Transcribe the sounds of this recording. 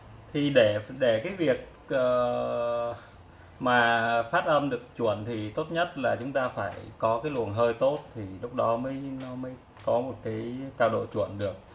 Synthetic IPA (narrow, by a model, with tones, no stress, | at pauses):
t̪ʰi˨˩ɗe˧˩ɗe˧˩kaː˨˦jvi˨˩ək̚ | ʔəː˨˩ | maː˨˩faː˦˥t̚ʔə˧mɗɨ˨˩ək̚t͡ɕwənt̪ʰi˨˩t̪o˦˥t̚ɲə˦˥t̚laː˨˩t͡ɕʊ˨˦ŋ͡mt̪aː˧faː˧˩jkɔ˨˦kaː˨˦jlwə˨˩ənɦəː˧jt̪o˦˥t̚t̪ʰi˨˩lʊ˦˥k͡p̚ɗɔ˨˦məː˨˦jnɔ˨˦məː˨˦j | kɔ˨˦mo˨˩t̚kaː˨˦jt̪aː˧wɗo̰˧˨t͡ɕwə˧˩nɗɨ˨˩ək̚